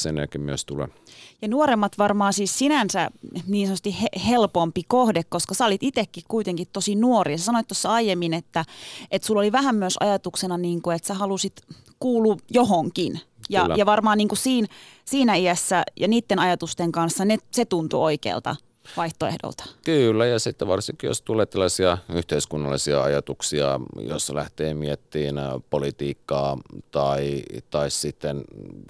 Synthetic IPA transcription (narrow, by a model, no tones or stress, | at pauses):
sḛnæ̰kːimy̰ø̰st̪ṵlḛ | jɑnuoɾemːɑt̪ʋɑrmɑːsiːssinænsæniːnsonot̪ːihehelpompikohdekkoskɑsæolit̪it̪ekːikkuit̪eŋkit̪t̪osinuoriɑsesɑnoit̪t̪ːosːɑɑijemːinet̪ːæet̪sulːoliʋæɦæmmyøsɑ̰jɑt̪uksenɑniːŋkuet̪sæhɑlusit̪ | kuːlujoɦoŋkinjɑ̰jɑʋɑrmɑːnniːŋkusiːnsiːnæiæsːæjɑniːt̪ːenɑjɑt̪ust̪eŋkɑnsːɑneset̪unt̪ṵoikḛːlt̪ɑ̰ | ʋɑiht̪oḛhdo̰lt̪ɑ̥kylːæjɑsit̪ːeʋɑrsiŋkijo̰st̪uleːt̪selːɑsiɑyht̪eiskunːɑlːˑisiɑ̰ɑjɑt̪uksiɑ̰jo̰slæ̰ht̪eːmiet̪ːiːnpolit̪iːkːɑːt̪ɑit̪ɑissit̪ːen